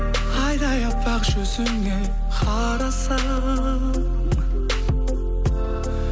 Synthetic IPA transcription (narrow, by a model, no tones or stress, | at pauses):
qʰɑjd̪ɑjɑpːɑqʒɵsʏŋɡʲej | qʰɑ | ɾɑsɑ